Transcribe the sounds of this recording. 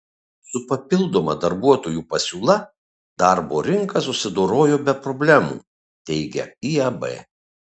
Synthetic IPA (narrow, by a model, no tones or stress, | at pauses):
sʊpɐpʲɪlˠd̪oːmɐd̪ɐɾbuɔt̪oːjuːpɐsʲuːlˠɐ | d̪ɐˑɾboːɾʲɪŋkɐsʊsʲɪd̪oːɾoːjoːbʲɛpɾɔbʲlʲæmṵː | t̪ʲɛɪɡʲɛ̰iɐbɛ̰ː